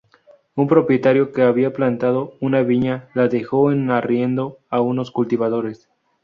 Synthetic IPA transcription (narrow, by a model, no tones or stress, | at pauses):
umpɾo̞pje̞t̪aɾjo̞ke̞aβiaplant̪að̞o̞unaβiɲalaðe̞xo̞enarje̞nd̪o̞auno̞skult̪iβaðo̞ɾe̞s